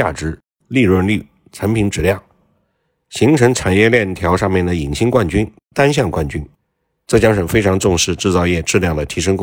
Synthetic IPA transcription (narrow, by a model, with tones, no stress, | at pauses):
a̰˥˩ʈ͡ʂɻ̩˧˥ | li˥˧ɻwə˥˧nly˥˩ | t͡sʰa˧˥npʰi˧˥ŋʈ͡ʂɻ̩˨˩ljɑ˥˩ŋ | ɕi˧˥ŋʈ͡ʂʰɤ˧˥ŋʈ͡ʂʰa˨˩njɛ˥˧ljɛ˥˩nt̪ʰjɑ˧˥ʊʂɑ˥˧ŋmjɛ˥˩nd̪ə˩i˨˩ŋɕi˥ŋkwa˥˩nt͡ɕy˥n | t̪a˥nɕ̬jɑ˥˧ŋkwa˥˩nt͡ɕy˥n | ʈ͡ʂɤ˥˩t͡ɕjɑ˥ŋʂə˨˩ŋfe˥ɪʈ͡ʂʰɑ˧˥ŋt͡sʊ˥˧ŋʂɻ̩˥˧ʈ͡ʂɻ̩˥˧t͡sɑ˥˧ʊjɛ˥˩ʈ͡ʂɻ̩˥˧ljɑ˥˩ŋd̪ə˩t̪ʰi˧˥ʂɤ˥ŋk